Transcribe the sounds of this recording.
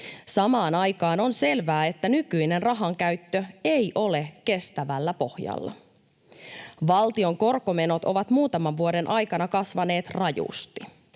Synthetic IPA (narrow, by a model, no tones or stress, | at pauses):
sɑmɑːnɑjkɑːno̞nse̞lʋæːe̞t̪ːænykyjne̞nrɑɦɑŋkæɥt̪ːøe̞jʔo̞leke̞st̪æʋælːæpo̞hjɑ̰lːɑ̰ | ʋɑlt̪io̞ŋko̞rko̞me̞no̞t̪o̞ʋɑt̪muːt̪ɑmɑʋʋuode̞nʔɑjkɑnɑkɑsʋɑne̞ːt̪rɑjṵst̪i